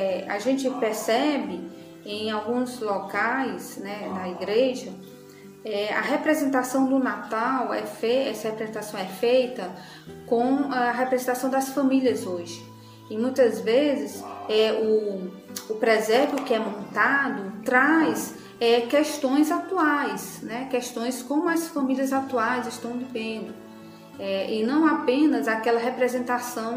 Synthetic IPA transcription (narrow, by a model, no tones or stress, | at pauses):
ɛa̰ʒẽnt͡ʃɪpɛɾsɛbɪ | ẽj̃awɡũzlɔkajsnɛd̪ɐiɡɾeʒɐ | ɛɐ̰ɦepɾɛzẽnt̪̬asɐ̃w̃d̪ʊnat̪awɛfeɛsɐhepɾɛzẽnt̪asɐ̃w̃ɛfejt̪ɐ | kõaɐɦepɾɛzẽt̪asɐ̃w̃d̪ɐsfɐ̃miliɐzoʒɪ̥ | ɪmũj̃t̪ɐzvezɪsɛʊː | pɾɛzɛɾbiʊkɪɛmõnt̪ad̪ʊt̪ɾajs | ɛkɛʃt̪õj̃zat̪uajsnɛkɛʃt̪õj̃skõmʊɐsfɐ̃miliɐzat̪uajzɪʃt̪ɐ̃w̃vivẽnd̪ʊ | ɛɪnɐ̃w̃apẽnɐzakɛlɐɦepɾɛzẽnt̪asɐ̃w̃